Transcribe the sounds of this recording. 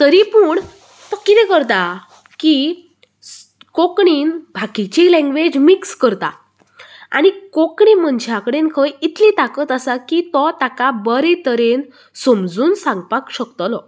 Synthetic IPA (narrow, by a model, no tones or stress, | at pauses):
t̪əɾipuːɳ | t̪ɔkːit̪ɛkəɾt̪a | ki | kokɳiːnbʱakit͡ɕilɛ̃ŋɡʋed͡ʑmikskəɾt̪a̰ | a̰nikokɳim̤əɳd͡ʑʱjakɽenkʰəjit̪lĩt̪akət̪əsakit̪ɔt̪akabəɾet̪əɾen | somd͡zuːnsãŋɡpakɕəkt̪ɔlɔ